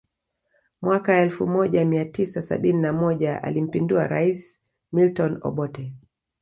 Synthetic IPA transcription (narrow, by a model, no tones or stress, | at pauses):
mwakaɛlfumɔʄamiatisasa̰ɓininamɔʄaʔa̰lim̩pinduaɾais | miltɔnɔ̰ɓɔtɛ